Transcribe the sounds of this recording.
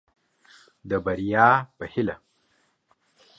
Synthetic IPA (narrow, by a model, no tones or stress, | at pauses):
d̪əbaɾijɑːpəhɪla